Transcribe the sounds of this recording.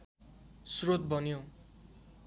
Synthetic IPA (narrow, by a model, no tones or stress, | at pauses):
srot̪̚bʌnjo